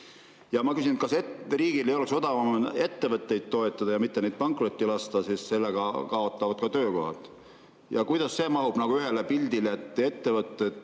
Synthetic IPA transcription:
jɑmɑkysinkɑseriːɡ̥ilejo̞lekso̞d̪̥ɑvɑmne̞t̪ːe̞vɤt̪ːˑe̞jd̪̥̚t̪o̞e̞t̪ˑːɑd̪ɑjɑmit̪ːe̞nejd̪̥̚pɑŋkro̞t̪ʲːilɑst̪ɑsisse̞lːeɡ̥ɑkɑo̞t̪ːˑɑvɑd̪̥̚kɑt̪ø̞ːko̞̰hɑ̰t̪ˑ | jɑkujd̪̥ɑsse̞ːmɑɦub̥nɑɡ̥uyɦe̞lepild̪ileet̪ːˑe̞t̪ːe̞vɤt̪ːˑed̪̥

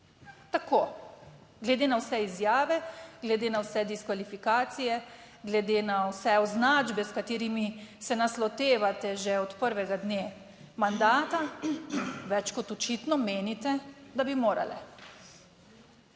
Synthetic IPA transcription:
t̪akʰoː | ɡlɛd̪enawsɛizjaːʋɛɡlɛd̪enawsɛd̪iskʋalifikaːt̪sijɛ | ɡlɛd̪enawsɛɔznaːd͡ʒbɛskat̪iːɾimisɛnaslɔt̪eːʋat̪ɛʒɛɔt̪pəɾʋɛɡad̪neː | mand̪aːt̪a | ʋɛt͡ʃkɔt̪ɔt͡ʃiːt̪nɔmeːnit̪ɛd̪abimoːɾa̰lɛ

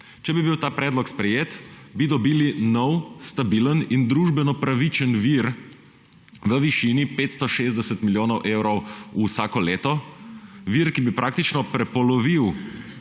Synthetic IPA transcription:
t͡ʃɛbibiwt̪aːpɾɛːd̪lɔkspɾɛjeːt̪bid̪ɔbiːlinɔwst̪abilənind̪ɾuʒbɛnɔpɾaʋit͡ʃənʋiɾ | ʋəʋiʃinipeːt̪st̪ɔʃeːzd̪ɛsət̪miljoːnɔwʔewɾɔwusaːkɔleːt̪ɔ | ʋiɾkibipɾʔaːk̚t̪it͡ʃnɔpɾɛpɔlɔʋiw

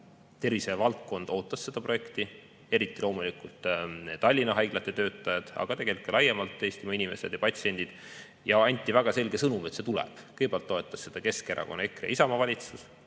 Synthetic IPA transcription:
t̪e̞rvisevɑlt̪̚ko̞nd̪̥o̞ːt̪ːˑɑse̞d̪̥ɑpro̞je̞kt̪i | e̞ɾit̪ːˑilo̞ːmulikult̪t̪ɑlʲːinɑɦɑjɡ̥lɑt̪ːˑe̞t̪øːt̪ːˑɑjɑd̪̥ɑ̰ɡ̥ɑt̪e̞ɡ̥elikːˑelɑjemɑlt̪ːeːsʲt̪imɑinime̞sed̪̥jɑpɑt̪sie̞nʲd̪̥id̪̥ | jɑɑnʲt̪ʲːˑivæɡ̥ɑse̞lɡe̞sɤnumet̪se̞t̪ulɛ̰b̥kɯjbælt̪ːo̞e̞t̪ːˑɑsːe̞d̪̥ɑke̞skeɾʔɑ̰ko̞nekreɑ̰isɑmɑvɑlʲit̪sus

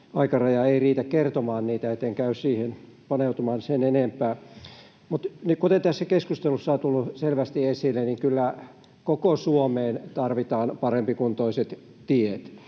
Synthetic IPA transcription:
ɑikɑrɑjɑeiriːt̪ækkert̪omɑːnniːt̪æet̪ːeŋkæyssiːhenpɑneut̪umɑːnsenenempˑæː | mut̪nikut̪ent̪æsːækeskust̪elusːɑt̪ulːuselʋæst̪iesilːeniŋkylːæ | kokosuomeːnt̪ɑrʋit̪ɑːnpɑrempikunt̪oiset̪ | t̪iet̪

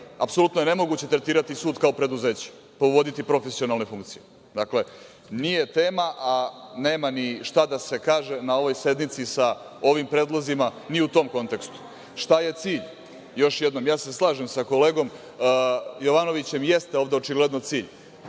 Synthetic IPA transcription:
apsolut̪noje̞ne̞mo̞ɡuːt͡ɕe̞t̪ɾe̞t̪iːɾat̪isuːd̪kaopɾe̞d̪uze̞ːt͡ɕe̥ | poʋod̪it̪ipɾo̞fesio̞nalˠne̞fuŋkt̪sije | d̪akle̞ | nije̞t̪eːmaʔaneːmaniʃt̪ad̪ase̞kaːʒe̞nao̞ʋo̞jse̞d̪nit̪sisa | o̞ʋimpɾed̪lˠozimaniut̪o̞ːmko̞nt̪e̞kst̪u̥ | ʃt̪aje̞t̪siːʎ | jo̞ʃjed̪no̞mjaːseslˠaːʒemsako̞le̞ːɡo̞m | jo̞ʋano̞ʋit͡ɕe̞mjest̪eoʋd̪eot͡ʃiɡle̞d̪not̪siːʎ

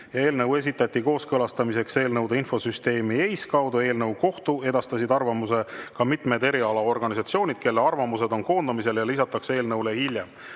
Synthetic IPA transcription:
jɑe̞ːlnɤwe̞s̬ʲit̪ːˑɑt̪ʲːˑiko̞ːskɤlɑst̪ɑmise̞kse̞ːlnɤwd̪̥einfo̞syst̪e̞ːmie̞jskɑwd̪ue̞ːlnɤwko̞ht̪ue̞d̪ɑst̪ɑsid̪ɑrvɑmuse̞kɑmit̪me̞d̪e̞ɾiɑlɑo̞rɡ̥ɑnisɑt̪sio̞ːnʲid̪̥ke̞lːeɑrvɑmuse̞d̪o̞nko̞ːnd̪̥ɑmis̬e̞ljɑlisɑt̪ːˑɑkse̞ːlnɤwle̞hilʲje̞m

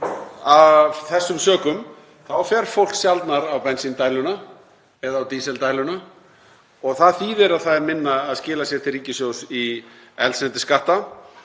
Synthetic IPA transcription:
avθɛsːʏmsœːkʏm | θawfɛɾ̥fowl̥ksjalt̪naɾawpɛnsint̪aːjlʏna | ɛðaːwt̪iːsɛlt̪aːjlʏna | ɔɣθaðθiːðɪɾaðθaðɛɾmɪnːaːðscɪːlasjɛɾ̥t̪ʰɪlriːcɪsjowsiɛ̰lsɛnt̪ɪskaht̪a

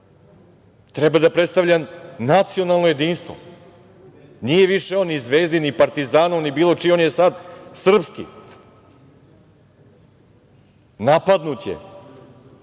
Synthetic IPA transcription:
t̪ɾɛbad̪apɾet̪st̪aʋʎamnat̪sio̞nalˠno̞je̞d̪iːnst̪ʋo̰ | nijeʋiʃeonːizʋeːzd̪inipaɾt̪izaːnonibiːlˠo̞ʈ͡ʂionjesad̪sr̩pskḭ | napad̪nut̪jḛ

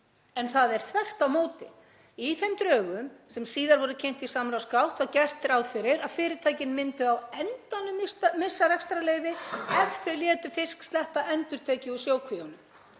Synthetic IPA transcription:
ɛnθaðɛɾ̥θvɛr̥t̪awmoːwt̪ɪ | iθɛmt̪ɾœːɣʏmsɛmsiːðaɾvɔɾʏcʰejn̥t̪isamɾawskawt̪aðcɛr̥t̪ɪɾawðfɪɾɪɾaðfɪːɾɪɾ̥t̪ʰaːjcɪnmɪnt̪ʏawɛnt̪anːʏmɪsmɪsːarɛkst̪ɾaleːjvɪɛfθɪɾljɛːt̪ʏfɪskst̪lɛhpaʔɛnt̪ʏɾ̥t̪ʰeːcɪusjoːwkʰvianʏm

